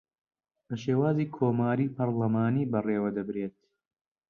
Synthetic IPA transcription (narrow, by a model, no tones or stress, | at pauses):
bɐʃeːwaːziːkʰoːmaːɾiːpɐɾlɐmaːniːbɐreːwɐd̪ɐbɾeːt̪